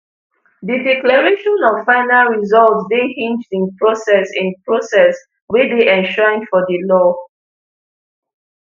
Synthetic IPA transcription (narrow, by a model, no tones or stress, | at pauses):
didɛklaɹeʃɔ̃nɔvfãɪnalɹizɔlvsbĩnhĩnd͡ʒdĩnpɹosɛsĩnpɹosɛs | wedeʔɛ̃nʃɔɹĩnfɔdəlɔ